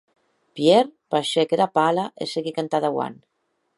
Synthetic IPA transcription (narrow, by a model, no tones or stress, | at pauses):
pjeɾpaʃekeðapalaʔḛseɣikant̪aðawa̰n